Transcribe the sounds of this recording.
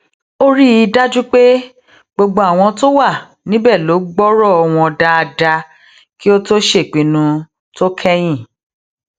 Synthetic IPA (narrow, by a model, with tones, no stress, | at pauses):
o˦ɾi˦i˧da˦d͡ʒu˦k͡pe˦ | ɡ͡bo˧ɡ͡bo˧a˦˨w̃ɔ̃˧to˦wa˦˨ | nĩ˦bɛ˦˨lo˨˦ɡ͡bɔ˦ɾɔ˦˨ɔ˧w̃ɔ̃˧da˧a˧da˧ | ki˦o˦to˦ʃe˦˨k͡pĩ˨nũ˧ | to˦kʰɛ˦j̃ĩ˦˨